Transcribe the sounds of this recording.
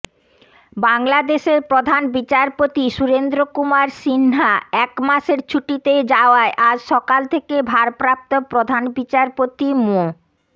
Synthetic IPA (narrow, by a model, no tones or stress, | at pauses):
baŋlad̪eʃeɾpɾod̪ʱanbit͡ɕaɾpot̪iʃuɾend̪ɾokumaɾsinɦaɛkmaʃeɾt͡ɕʰuʈit̪ed͡ʑaoaeʔad͡ʑʃɔkalt̪ʰekebʱaɾpɾap̚t̪opɾod̪ʱanbit͡ɕaɾpot̪imo